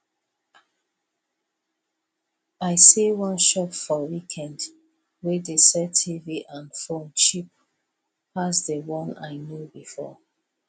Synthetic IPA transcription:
aɪsewɔ̃nʃɔpfɔwikʰɛ̃nd | wɛdesɛtʰiviʔãnfõnt͡ʃip̚ | asdəwɔ̃na̰ɪnjobifɔ̰

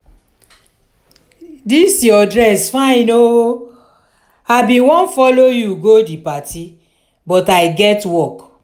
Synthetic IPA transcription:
disjɔdɹɛsfãɪ̃no | abĩwɔ̃nfɔlojuɡodipati | bɔtajɡɛtwɔk

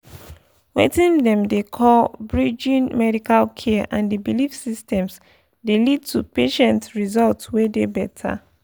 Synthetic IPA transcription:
wḛtĩndɛ̃mdekʰɔlbɹid͡ʒĩnmɛɾikalkʰɛʔãndibilifsistɛ̃ms | delid̚tʰupeʃɛ̃ntɹizɔltswedebɛtʰa̰

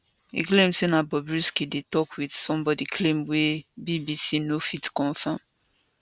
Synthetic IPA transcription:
ḭklẽmsenabɔbɹiskidetɔkwidsɔ̃mbɔdikʰlẽmwebibisinofitkɔ̃nfãm

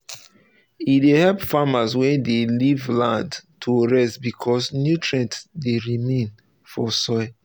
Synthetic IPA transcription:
idehɛlpfamaswɛ̃delivlãndtʰuɹɛstbikʰɔsnjutʰɹɛ̃ntdeɹimẽn | fɔsɔɪ

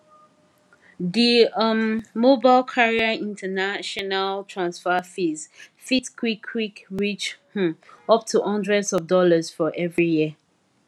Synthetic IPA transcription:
ðiʌmmobaɪlkʰaɹiaĩntʰənaʃɔnaltʰɹãnsfəfizfitkʰwikʰwikɹit͡ʃh̩ɔp̚tʰuʔʌ̃ndɹɛdzɔvdɔləzfɔʔɛvɹijiə

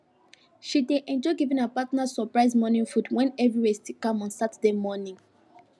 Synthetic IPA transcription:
ʃideʔɛ̃nd͡ʒɔɡivĩnəpatnasɔpɹaɪzmɔnĩŋfudwɛ̃nɛvɹiwestikãmɔ̃nsatdemɔnĩŋ

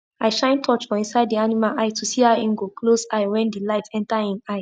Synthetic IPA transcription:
aɪʃãɪ̃ntʰɔt͡ʃfɔĩnsaɪd̚dianimalʔaɪtʰusiaĩŋɡokʰlosaɪwɛ̃ndilaɪtʰɛ̃ntaĩnaɪ

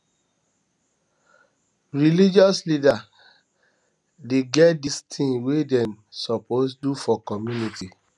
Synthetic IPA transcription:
ɹilid͡ʒɔslida | deɡɛt̚distʰĩnwedɛ̃n | sɔposdufɔkɔmjuniti

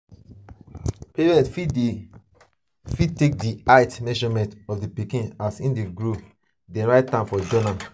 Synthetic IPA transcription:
peɹɛ̃ntfi | fid̚tek̚diaɪtmɛ̃ʃɔmɛ̃ntɔfdipikĩnasĩndeɡɹo | dɛ̃ɹaɪt̚tːãmfɔd͡ʒɔnã

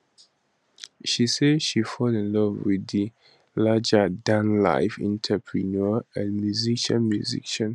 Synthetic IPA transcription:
ʃisedʃifɔlĩnlɔvwidi | lad͡ʒədãnla̰ɪfḭ̃ntʰəpʰɹinɔãnmjuziʃãnmjuzḭʃə̃n

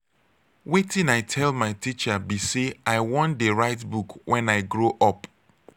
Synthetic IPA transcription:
wetĩnaɪtʰɛlˠmaɪtit͡ʃabiseaɪwɔ̃ndeɹaɪtbukwʔɛ̃naɪɡɹoʔɔp

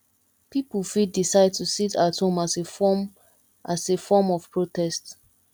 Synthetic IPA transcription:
pipəlfidisaɪd̚tusitathõmasefɔ | ʔasefɔmɔv̥pɹotɛst

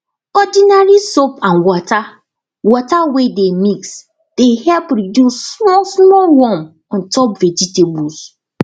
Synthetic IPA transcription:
ɔdinaɹisopãnwɔta | wɔtawedemiks | d̥ehɛlpɹidjusːmɔsmɔlwɔ̃m | ɔ̃ntɔpvɛd͡ʒitebus

